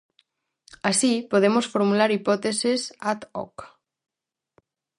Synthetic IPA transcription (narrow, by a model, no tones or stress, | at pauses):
asipoðemosfoɾmulaɾipɔt̪esesat̪ɔ̰k